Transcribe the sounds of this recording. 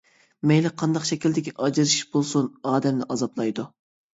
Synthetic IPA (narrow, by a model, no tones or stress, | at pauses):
mɛjlɪqʰɑnd̪ɑqʃɛkʲild̪ɪkʲiʔɑd͡ʒiɾɨʃʃb̥olˠsunɑːd̪ɛmnɪʔɑzɑplˠɑjd̪u